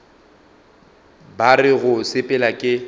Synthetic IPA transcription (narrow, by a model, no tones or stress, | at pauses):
barɪɣʊsɪpʼɛlakʼɪ